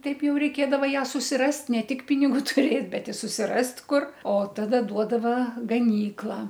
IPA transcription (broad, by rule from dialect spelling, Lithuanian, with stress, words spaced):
ˈtɐɪp ˈjɛʊ rʲɛɪˈkʲeːdɐʋɐ ˈjæː sʊsʲɪˈrɐst ˈnʲɛ ˈtʲɪk pʲɪnʲɪɡuː tʊˈrʲeːtʲ bʲɛt ɪ sʊsʲɪˈrɐst ˈkʊr oː ˈtɑːdɐ ˈduɔdɐʋɐ ɡɐˈnʲiːklˠɐ